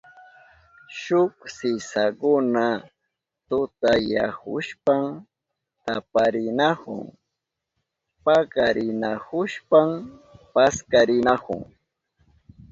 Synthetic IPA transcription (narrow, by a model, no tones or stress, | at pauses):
ʃʊksɪsaɢʊna | t̪ʊt̪aja̰hʊ̰ʃpam | t̪apaɾɪnahʊ̰ŋ | paɢaɾɪnahʊʃpampaskaɾɪnahʊ̰ŋ